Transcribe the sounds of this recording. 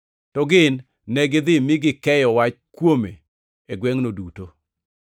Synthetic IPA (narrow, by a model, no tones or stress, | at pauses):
tɔɡɪnː | ɛɡɪd̪ɪmɪɡɪkɛjɔwat͡ʃkwome | eɡwɛŋnoduto